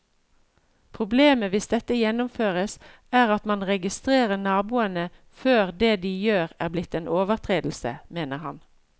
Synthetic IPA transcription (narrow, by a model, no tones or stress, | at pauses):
pʰʁʊbleːməʋɪsd̪ɛt̪əjɛnʊmføːʁəs | æːʁɑt̪mɑnʁɛɡɪst̪ʁeːʁənɑːbuːənə | føːʁd̪eːd̪iːjøːʁæːʁblɪt̪ːeːnʔoːʋəʁt̪ʰʁeːd̪l̩sə̰meːnəʁhɑ̰n